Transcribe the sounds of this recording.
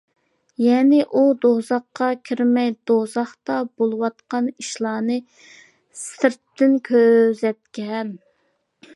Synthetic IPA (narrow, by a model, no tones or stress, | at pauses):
jɛnɪʔud̪ozɑqːɑkʲʰiɾmɛjd̪ozɑχt̪ɑbolˠɨwɑt̪̚qɑniʃlˠɑːnɨ | sɪɾt̪ːɪnkʲʰøzɛt̪̚kʲɛm